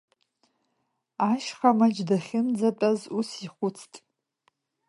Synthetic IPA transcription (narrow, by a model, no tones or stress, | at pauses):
aʃχamad͡ʒdaχʲɪnd͡zatʷʼazusiχʷʊt͡sʰtʼ